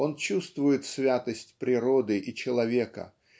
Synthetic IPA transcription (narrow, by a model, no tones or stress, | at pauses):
o̞nt͡ɕust̪vʊjɪt̪svʲat̪əsʲtʲpɾʲɪɾo̞d̪ɨʔɪt͡ɕɪlˠɐvʲekə̰